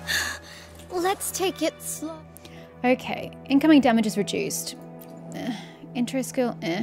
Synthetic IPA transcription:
lətstʰeɪkɪtsl | oʊkʰḛɪʔɪ̃nkʌ̃mɪ̃ŋdæmɨd͡ʒɨzɹɨd͡ʒʉ̰ˑst | ɪ̃nt͡ʃɹ̥ɛstskɪlˠ

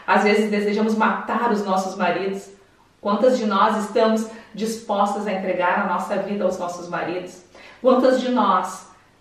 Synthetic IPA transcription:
azvezɪzd̪ezeʒɐ̃mʊzmat̪aɾʊznɔsʊzmaɾid̪ʊs | kwɐ̃nt̪ɐzd͡ʒɪnɔzɪst̪ɐ̃mʊzd͡ʒispɔst̪ɐzɐẽnt̪ɾeɡaɾɐnɔsɐvid̪ɐaʊznɔsʊzmaɾid̪ʊskwɐ̃nt̪ɐzd͡ʒɪnɔs

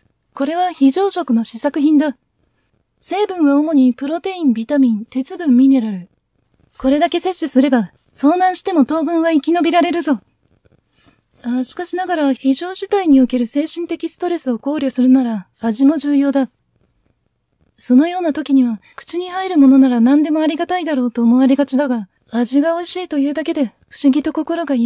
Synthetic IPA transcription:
ko̞ɾe̞βaçiʑo̞ːɕo̞kɯ̟no̞ɕisakɯ̟çĩnd̪a | se̞ːbɯ̟̃ɰ̃βaomo̞ɲ̟ipɯ̟ɾo̞t̪e̞ĩmbʲit̪amʲĩnt̪et͡sɨbɯ̟̃mːʲine̞ɾaɾɯ̟ | ko̞ɾe̞d̪ake̞se̞ɕːɨsɨɾe̞ba | so̞ːnãɰ̃ɕi̥t̪e̞mo̞t̪o̞ːbɯ̟̃ɰ̃βaikʲino̞bʲiɾaɾe̞ɾɯ̟zo̞ | aɕi̥kaɕinaɡaɾaçiʑo̞ːɕi̥t̪aiɲ̟io̟ke̞ɾɯ̟se̞ːɕĩnt̪e̞kʲisɨ̥t̪o̞ɾe̞sɨo̞ko̞ːɾʲosɨɾɯ̟naɾaː | ʑimo̞ʑɨːjo̞ːd̪a | so̞no̞jo̞ːnat̪o̞kʲiɲ̟iβakɯ̟̥t͡ɕiɲ̟ihaiɾɯ̟mo̞no̞naɾanãnd̪e̞mo̞aɾʲiɡat̪aid̪aɾo̞ːt̪o̞ːmo̞aɾʲiɡat͡ɕid̪aɡa | aʑiɡaoɕiːt̪o̞jɯ̟ːd̪ake̞d̪e̞ | ɸɯ̟̥ɕiɡʲit̪o̞ko̞ko̞ɾo̞ɡa

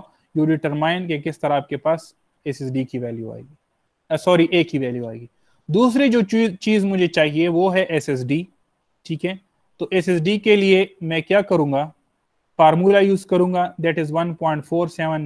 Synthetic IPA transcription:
juɖɪʈəɾmaːɪ̃nkekɪst̪ɐɾaːp̚kepaːs | ɛsɛsɖikiʋɛːljua̰ːeːɡi | sɔːɾiʔeːkːiʋɛːljuaːeɡiː | d̪uːs̬ɾid͡ʒoːt͡ʃiːzmʊd͡ʒʱet͡ʃaːɦieʋoɦɛʔɛsɛs̬ɖiː | ʈʰiːkɦɛ̃ː | t̪oːʔɛsɛs̬ɖikeliemɛ̃kjaːkɐɾũːŋɡa | faːɾmuːlajuːzkɐɾũːŋɡad̪ɛːʈɪzʋɐ̃npɔ̃ːɪ̃ɳʈfoːɾsɛʋə̃n

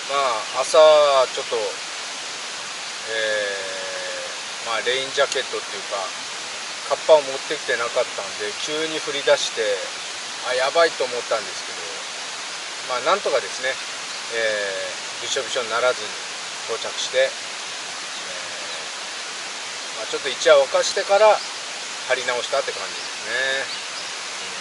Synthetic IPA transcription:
maːsaat͡ɕo̞t̪ːo̞ | eː | maːɾe̞ĩɲd͡ʑake̞t̪ːo̞t̪ːejɯ̟ka | kʰapːaomo̞t̪ːe̞kʲi̥t̪e̞nakat̪ːãnd̪e̞kʲɨːɲ̟iɸɯ̟ɾʲid̪aɕi̥t̪e̞ | ajabait̪o̞ːmo̞t̪ːãnd̪e̞sɨ̥ke̞d̪o̞̰ | maːnãnt̪o̞kad̪e̞sɨne̞ | eː | biɕo̞bʲiɕõ̞nnaɾazɨɲ̟i | t̪o̞ːt͡ɕakɯ̟̥ɕi̥t̪e̞ | e | maːt͡ɕo̞t̪ːo̞it͡ɕiaakaɕi̥t̪e̞kaɾa | haɾʲinao̞ɕi̥t̪at̪ːe̞kã̰ɲd͡ʑid̪e̞sɨne̞

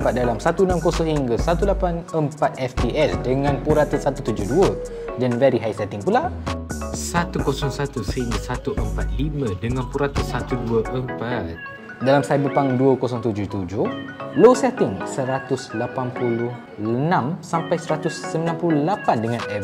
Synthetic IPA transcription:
pat̪̚dalamsat̪uənãmkosɔhiŋɡasat̪ulapanəmpat̪̚ɛft̪iʔɛsdəŋãnpuɾat̪əsat̪ut̪ud͡ʒʊhduə | danvɛɾiɦajsɛt̪ɪŋpula | sat̪ukosɔŋsat̪usəhiŋɡasat̪uʔəmpat̪̚himədəŋãnpuɾat̪əsat̪uduəʔəmpat̪̚ | dalamsajbəlpaŋduəkosɔŋt̪ud͡ʒʊht̪ud͡ʒʊhlosɛt̪ɪŋsəɾat̪uslapanpulʊh | ənãmsampajsəɾat̪usːəmilanpuluhlapandəŋãnɛ

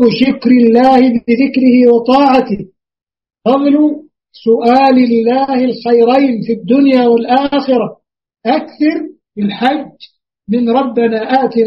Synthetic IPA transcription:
ʊʃʊkɾɪlːaːhɪbɪðɪkɾɪhɪwɑt̪ˤɑːʕat̪ɪh | fɑðˤlʊ | sʊʔaːlɪlːaːhɪlxajɾajnfid̪ːʊnjaːwalʔaːxɪɾa | ʔakθɑɾˤ | bɪlħad͡ʒː | mɪnɾˤɑbːanaːʔaːt̪i

